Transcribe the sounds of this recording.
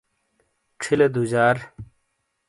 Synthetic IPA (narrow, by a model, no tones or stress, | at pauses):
ʈ͡ʂʰiled̪ud͡ʑaːɾ